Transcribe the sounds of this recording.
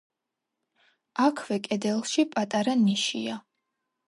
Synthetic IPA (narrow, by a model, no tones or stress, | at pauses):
akʰvɛkʼɛd̪ɛlˠʃipʼat̪ʼaɾaniʃḭa